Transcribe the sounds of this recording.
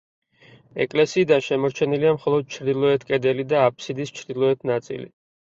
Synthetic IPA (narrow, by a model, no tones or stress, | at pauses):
ɛ̰kʼlɛsiːd̪anʃɛmɔɾt͡ʃʰɛniliamχɔlˠɔd̪̥̚t͡ʃʰɾd̪ilˠɔɛt̪ʰkʼɛd̪ɛlid̪aːpʰʼsid̪ist͡ʃʰɾd̪ilˠɔɛt̪ʰnat̪sʼḭlḭ